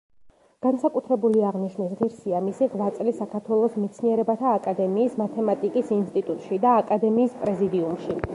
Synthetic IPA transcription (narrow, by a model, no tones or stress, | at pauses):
ɡ̥ansakʼut̪ʰɾɛbuliaʁniʃmnisʁiɾsiamisiʁvat̪sʼlisakʰaɾt̪ʰwɛlˠɔsmɛt̪sʰniɛɾɛbat̪ʰaːkʼad̪ɛmiːsmat̪ʰɛmat̪ʼikʼisinst̪ʼit̪ʼut̪ʼʃid̪aːkʼad̪ɛmiːspʼɾɛzid̪iumʃi